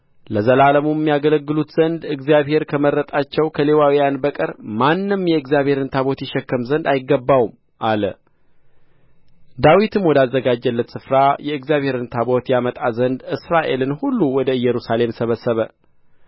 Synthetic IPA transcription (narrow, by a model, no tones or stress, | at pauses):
ləzəlaləmuɛmːijaɡələɡːɨlut̪z̥ənd̪ɨɡzijaβhe̞ɾkʰəməɾːət̪ʼat͡ʃːɛwkʰəle̞wawijanbəkʼəɾmanːɨmjɛɨɡzjaβhe̞ɾɨnt̪ʰaβo̞t̪jɛʃɛkːəmzənd̪ajɪɡːəbːawum | ʔalə | d̪awit̪ʰɨmwɔd̪azːəɡad͡ʒːɛlːət̪sɨfɾajɛɨɡzijaβhe̞ɾɨnt̪ʰabo̞t̪jamət̪ʼazənd̪ɨsɾaʔe̞lɨnhulːuwɔd̪əɨjːɛɾusale̞msəβəsːəβə